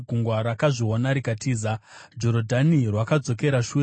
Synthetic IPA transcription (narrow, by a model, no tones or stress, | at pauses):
ɡʱuŋɡwaɾakaʐionaɾikatʰiːzad͡ʒo̞ɾodʱanirwakad͡zo̞ke̞ɾaʃu